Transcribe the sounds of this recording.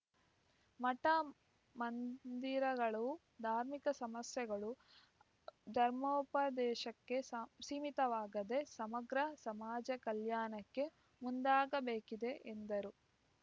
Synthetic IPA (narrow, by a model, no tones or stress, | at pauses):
mɐʈɐ | mɐnd̪iɾɐɡɐɭuu | d̪ʱaːɾmikɐsɐmɐsjɛɡɐɭu | d̪ʱɐɾmoːpɐd̪ɛːʃɐkːe̞siːmit̪ɐʋaːɡɐd̪e̞sɐmɐɡɾɐsɐmaːd͡ʒɐkɐljaːnɐkːe̞ | mund̪aːɡɐbeːkid̪e̞ʔend̪ɐɾu